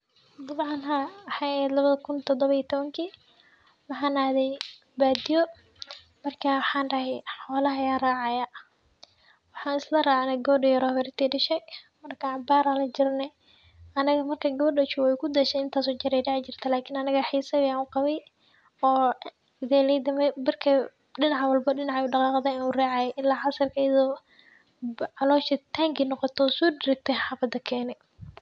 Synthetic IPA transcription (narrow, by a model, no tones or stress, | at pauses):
d̪ɑbʕɑnɦɐwħaːhɛːd̪lɐβɐðɐkʰʊnt̪ʰɔd̪ɔβɐiːt̪ʰɔβɐŋkʰiː | wɑħɑːnaːðɛj | baːd̪ɪjɔ | mɐrkʰɐwħɑːnɖɐɦɛjħɔːlɐɦɐjaːraːʕɑjɐ | wɑħɑːnɪslɐraːʕɑnɐɡɔːɖɪjɐɾɔːhβɛɾɪt̪ʰiːɖɪʃɛj | mɐrkʰɐʕbaːɾɐlɐd͡ʒɪrnɛ | ɐnɐɣɐmɐrkʰɐɡɔːɗɐt͡ʃʊwɛjkʰʊd̪ɐʃɛɪnt̪ʰaːsɔːt͡ʃɐɾɛdɛʕt͡ʃɪr̥t̪ʰɐlaːkʰiːnɐnɐɣɐħiːsɐβjanʊqɑβɛj | ɔː | ɪðɛːlɛjd̪ɐmɛbɪrkʰɐ | ɗɪnɑʕwɐlbɐɖɪnɑʕauɖɑqɑːqðɐɪnuraːʕɑjɛʔɪlːaːʕɑsɐrkʰɐjɐðɔː | ʕɑlɔːʃɐt̪ʰaːŋɡinɔqɔt̪ʰɔsuːdɪɾɪk̚t̪ʰɛħɑːfɐd̪ɐkʰɛːnɛ